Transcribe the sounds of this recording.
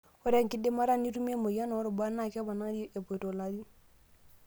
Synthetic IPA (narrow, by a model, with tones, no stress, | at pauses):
ɔ˦ɾa˦˨ŋki˦de˦ma˦ɾa˦ni˦tu˦me˦mo˨ja˦na˨o˦ɾɔ˨ba˦nːa˨kɛ˦ba˨na˦ŋ˦di˦ɛ˨bɔ˨to˨la˦di˦